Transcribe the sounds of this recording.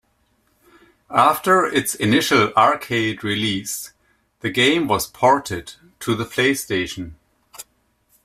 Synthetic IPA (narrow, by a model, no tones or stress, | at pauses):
æftə˞ɪtsɪnɪʃəl̩ˠɑɹkʰeɪdɹilis | ðɨɡẽɪ̃mwʌz̥pʰɑɹtɪd | tʰɨðəpʰl̥eɪsteɪʃn̩